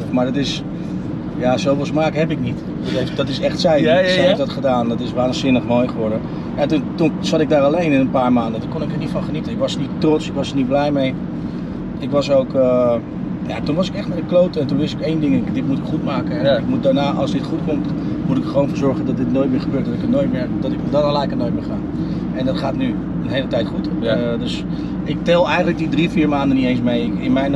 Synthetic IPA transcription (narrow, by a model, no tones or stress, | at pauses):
maːɹdɔtɪs | jasowfəlˠsmaːkɦɛpɪknit | dtɪsɛχtsɛjsɛhefdɔtχədaːndɔtɪsʋaːnzɪnəχmojχəʋɔɹdə | jatuntunsɑtɪɡ̚daːɹɑlejnɪnənpaːɹmaːndəndəkonɪkəɹnitfɔnχənitəɪkʋɑsənittrɔtsɪkʋɑsənit̚blɛjmej | ɪkʋɑs̬owkə | ja̰tunʋɔsɪkɛxtmɛdəklowtəɛntunʋɪsɪkejndɪŋɪkdɪtmutɪkχutmaːkəɛɪkmut̚daːɹnaːʔɑsdɪtχut̚kʊmtmutɪkəχəʋoːwnfəːɹzɔɹχəndɔtdɪtnojt̚mɪːɹχəbøːɹt̚dɔtɪkətnoːjtmɪrdɔtɪkdanəlɛjkənoːjt̚mɪːɹxaː | ɛndɔtχaːtny | ənɦejlətɛjtχut | døs | ʔɪk̚tɛlˠɛjxəndlək̚didrifiːɹmaːndənitejns̬mejɪɪnmɛjn